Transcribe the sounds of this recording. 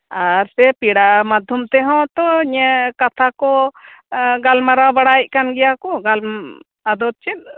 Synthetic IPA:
aɾsɛpiɽamad̪ʱjumt̪ɛɦɔ̃t̪ɔɲɛkat̪ʰakɔ | ɡalmaɾabaɽajc̚ˀkanɡɛjakɔɡal | ad̪ɔt̪̚t͡ʃɛt̪̚

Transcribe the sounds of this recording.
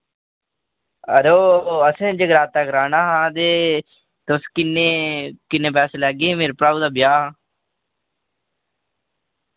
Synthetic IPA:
əɾoːəsẽːd͡ʒeɡɾaːt̪ːakɾaːnaːɦãːd̪eː | t̪skɪnːeːkɪnːẽːp̬ɛːseːlɛːɡẽːmeːɾepɾaːud̪aːbjaːaː

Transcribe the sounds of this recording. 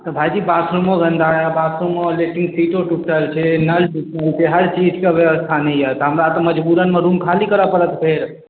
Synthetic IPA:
t̪əbʱajd͡ʒibasʰɾumoɡənd̪ajabasʰɾomoleʈɪ̃ŋɡsiʈoʈuʈəlt͡ʃʰenəlʈusəlt͡ʃʰeɦəɾt͡ʃid͡ʒkeʋjeʋəst̪ʰanəɦiət̪ɔɦəmɾat̪oməd͡ʒbuɾənmẽɾuːmkʰalikəɾəpəɾət̪pʰeɾ

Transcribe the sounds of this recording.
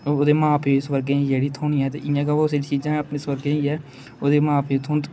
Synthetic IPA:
oːd̪eːmãːpeːsʋəɾɡeːĩd͡ʒeːɽiːt̪ʰoːniːɛːt̪ḛːʔɪjãːɡaʋaseːt͡ʃiːd͡ʒãːəpneːsʋəɾɡẽːiːɛː | oːd̪eːmãːpʰeːt̪ʰõːnt̪

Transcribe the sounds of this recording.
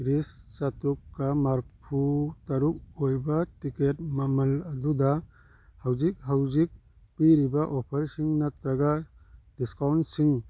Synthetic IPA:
ɾist͡ʃatɾukːɐmaɾpʰutɐɾuk̚ojbɐtiket̚mɐmɐlɐdudɐ | hawzik̚ɦawzik̚ | piɾibaʔopʰɐɾsiŋnɐt̪ɾɐɡadiskawnsiŋ

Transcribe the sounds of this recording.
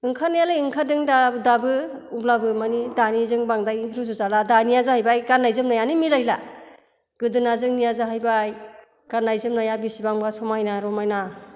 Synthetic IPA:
ɯŋkʰanijalajɯŋkʰadɯŋdadabɯublabɯmanidanizɯŋbaŋdajɾɯzuzaladanijazahajbajɡanːajzɯmnajanimilajla | ɡ̥ɯdɯnazɯŋnijazaɦajbaj | ɡ̥anajzɯmnajabisibaŋbasɔmajnaɾɔmajna

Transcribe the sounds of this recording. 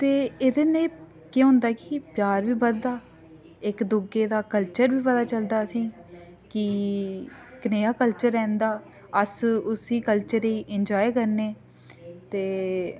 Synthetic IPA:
t̪eːed̪eːneː | keɦõʊ̃ːnd̪aːkɪpjaːɾʋiːbəd̪aː | ɪkd̪ʊɡeːd̪aːkəlt͡ʃəɾʋiːpəd̪aːt͡ʃəld̪aːəsĩː | kɪ | kneːaːkəlt͡ʃəɾːɛ̃ːnd̪aː | əsʊsiːkəlt͡ʃəɾiːʔɪnd͡ʒaːekəɾneː | t̪eː

